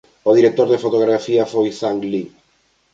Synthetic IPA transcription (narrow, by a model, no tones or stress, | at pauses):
oð̞iɾek̚t̪oɾðefot̪oɣ̞ɾafiafojθaŋli